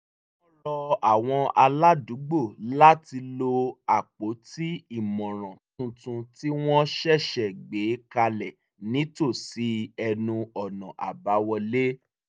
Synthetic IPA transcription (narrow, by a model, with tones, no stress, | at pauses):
ɔ˦lɔ˧a˨w̃ɔ̃˧a˧la˦du˨˦ɡ͡bo˦˨la˦ti˧lo˧a˨k͡po˨˦ti˦i˦˨mɔ̃˨ɾ̃ɔ̃˨tũ˧tũ˧ti˦w̃ɔ̃˦ʃɛ˦˨ʃɛ˨ɡ͡be˨˦ka˧lɛ˨ | nĩ˨˦to˦˨si˨˦ɛ˧nũ˧ɔ˨nɔ̃˨ʔa̰˨ba˨˦wɔ˧le˦